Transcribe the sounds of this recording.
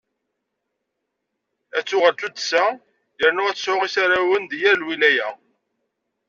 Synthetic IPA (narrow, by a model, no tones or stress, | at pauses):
æt͡sːʊʁəlt͡s̪ud̪sæ | jəɾnʊʁæt͡sːsʊʁisaɾæwənd̪jæɾlwilæjæ